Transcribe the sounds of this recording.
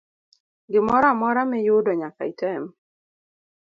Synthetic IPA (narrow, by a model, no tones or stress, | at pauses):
ɡɪmɔɾamɔɾamɛjʊdɔɲaka̰itɛm